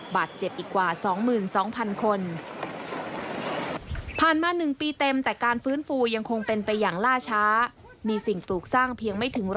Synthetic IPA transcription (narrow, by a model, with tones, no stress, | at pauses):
baː˨˩t̪̚t͡ɕe˨˩p̚ʔiː˨˩kːwaː˨˩sɔː˩˦ŋmɯː˨˩nsɔː˩˦ŋpʰa˧nkʰo˧n | pʰaː˨˩nmaː˧nɯ˨˩ŋpiː˧t̪e˧mt̪ɛː˨˩kaː˧nfɯː˦˥nfuː˧ja˧ŋkʰo˧ŋpe˧npa˧jːaː˨˩ŋlaː˥˩t͡ɕʰaː˦˥ | miː˧si˨˩ŋpluː˨˩k̚saː˥˩ŋpʰi˧əŋma˥˩jt̪ʰɯ˩˦ŋɾ